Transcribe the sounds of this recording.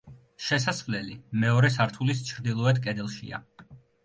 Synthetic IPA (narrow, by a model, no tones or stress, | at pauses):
ʃɛsasχvlɛlimɛɔɾɛs̬aɾt̪ʰulist͡ʃʰɾd̪ilˠɔɛt̪̚kʼɛd̪ɛlˠʃḭa̰